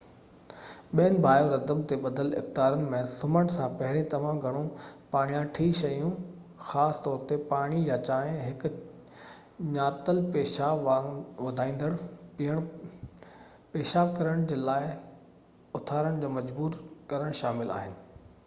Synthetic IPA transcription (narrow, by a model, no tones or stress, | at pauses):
ɓiːənɪ̆bʱaːjoɾɐd̪əbt̪eɓɐd̪əlɪ̰xt̪aːɾənɪ̆mẽsʊməɽsãpɐɦɪɾẽt̪ɐʋ̤ãɡʱɐɽ̃õpaːɽ̃ijãʈʰiːʃɐjũ | xaːst̪ɔːɾt̪epaːɽ̃ijat͡ɕaːɦɦɪk | ɲaːt̪əlpeːʃaːʋɐd̪ʱaːĩːn̆d̪əɽiɦəɽ̃ | peːʃaːb̚kɐɾəɽ̃d͡ʑeːlaːɪ | ʊt̪ʰaːɾəɽ̃d͡ʑoːmɐd͡ʑbuːɾkɐɾəɽ̃ʃaːmɪla̰ːɦɪnɪ̆